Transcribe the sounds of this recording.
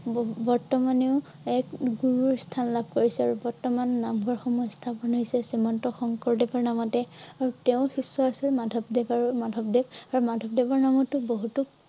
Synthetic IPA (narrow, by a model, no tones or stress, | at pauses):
bbɔɹtɔmaneʊ | ɛkɡuɹuɹstʰanlabʱkoɹisɛaɹubɔɹtɔmanːamɡʱɔɹxɔmɔjstʰapɔnɦojsɛsimɔntɔxɔŋkɔɹdebɔɹnamɔtɛaɹuteʊ̃xisːɔasilmadʱɔb̚dɛpaɹumadʱɔb̚debaɹumadʱɔp̚dɛbɔɹnamɔtuboɦutu